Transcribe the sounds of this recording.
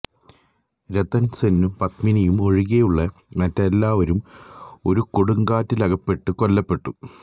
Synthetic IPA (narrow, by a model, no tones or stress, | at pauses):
ɾet̪ɐnsenːumpɐt̪minɐjumo̞ɻiɣejuɭːɐ | mɐtːelːaːʋɐɾumo̞ɾukoɽuŋɡaːtːilɐɣɐpːe̞ʈːɨko̞lːɐpːe̞ʈːu